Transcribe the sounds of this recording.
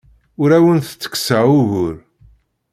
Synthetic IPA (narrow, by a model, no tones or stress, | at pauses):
ʊɾæwənθət͡sːə̥kːsəʕuɣʊɾ